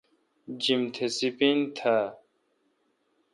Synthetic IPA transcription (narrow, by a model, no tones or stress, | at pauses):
d͡ʑimt̪ʰesipint̪ʰa